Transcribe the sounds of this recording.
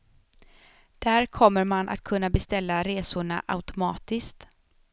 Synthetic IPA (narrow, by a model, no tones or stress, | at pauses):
d̪̥æːɾkʰɔmːəɾmanʔa̰t̪kʰɵnːabɛst̪ɛlːaɾeːsʊɳa̰ʔa̰wt̪ʊmɑːt̪ɪskt̪